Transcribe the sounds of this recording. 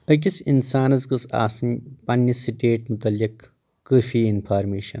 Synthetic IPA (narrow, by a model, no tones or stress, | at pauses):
ɐk̬ʲisinsaːnɐzkɨsa̰ːsɐnpɐnːɐsiʈeːʈmut̪ɐlːikː | əːfiːinpʰaːɾmeːʃɐn